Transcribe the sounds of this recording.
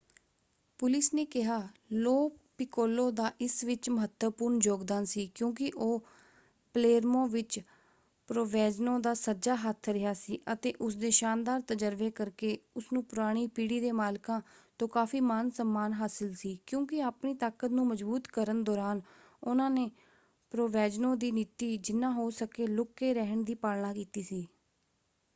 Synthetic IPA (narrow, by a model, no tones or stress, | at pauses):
pʊlɪsneːkɪɦaːloːpɪkoːlõːd̪aːʔɪsʋɪt͡ʃməɦət̪əpʊɾnd͡ʒoːɡd̪aːnsiːkjõːkɪʔoː | pleːɾmõːʋɪt͡ʃ | pɾoːʋɛːd͡ʒnõːd̪aːsəd͡ʒaːɦət̪ʰɾɪɦaːsiːʔət̪eːʔʊsd̪eːʃaːnd̪aːɾt̪əd͡ʒəɾʋeːkəɾkeːʊsnũːpʊɾaːɽ̃iːpiːɽiːd̪eːmaːlkãːt̪õːkaːfiːmaːnsəmːaːnɦaːsɪlsiːkjõːkɪaːpniːt̪aːkət̪nũːməd͡ʒbuːt̪kəɾənd̪ɔːɾaːn | ʊnãːneː | pɾoːʋɛːd͡ʒnõːd̪iːnɪt̪iːd͡ʒɪnãːɦoːsəkeːlʊkːeːɾɛɦəɳd̪iːpaːlnãːkiːt̪iːsiː